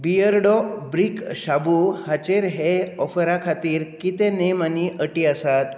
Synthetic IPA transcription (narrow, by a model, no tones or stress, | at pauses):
bijəɾɽɔbɾikɕabuhat͡ɕeɾɦeɔfɾakʰat̪iːɾkit̪enemaniʔəʈiəsat̪